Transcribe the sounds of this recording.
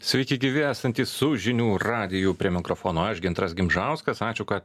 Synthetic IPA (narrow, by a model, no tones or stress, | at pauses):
sʲʋʲɛɪkʲɪɡʲɪʋʲɪæːsɐnʲt̪ʲiːssʊʒʲɪnʲuːɾɑːd̪ʲɪjuːpʲɾʲiɛmʲɪkɾoːfoːnoːɐʃɡʲɪnt̪ɾɐsɡʲɪmʒɐˑʊskɐsɑːt͡ʃʲʊkɐt̪